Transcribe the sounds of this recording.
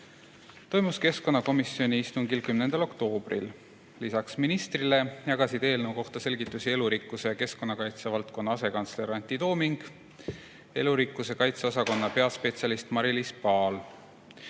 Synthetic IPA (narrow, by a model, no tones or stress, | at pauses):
t̪o̞jmuske̞sko̞nːɑko̞misːio̞nʲiist̪uŋkilkymne̞nd̪̥ɑlo̞kt̪o̞ːb̥rḭl | lisɑksminist̪rile̞jɑɡ̥ɑsid̪̥e̞ːlnewko̞ht̪ɑse̞lʲɡit̪ːˑusie̞luɾikˑːuse̞jɑke̞sko̞nːɑkɑjt̪sevɑlt̪ko̞nːɑɑse̞kɑnt̪sle̞ɾɑnt̪id̪o̞ːmiŋɡ̥ | e̞luɾikːˑuse̞kɑjt̪seo̞sɑko̞nːɑpe̞ɑspe̞t̪siɑlist̪mɑɾilispɑːl